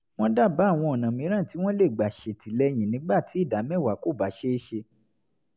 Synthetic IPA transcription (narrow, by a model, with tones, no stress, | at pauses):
w̃ɔ̃˦da˦˨ba˨˦˨w̃ɔ̃˧ɔ˨nã˨mĩ˨˦ɾ̃ã˦˨ti˨˦w̃ɔ̃˦le˦˨ɡ͡ba˨ʃe˨tʰi˨˦lɛ˧j̃ĩ˨nĩ˨˦ɡ͡ba˦˨ti˨˦i˦˨da˨˦mɛ̃˦˨wa˨˦ko˦˨ba˨˦ʃe˦e˦ʃe˧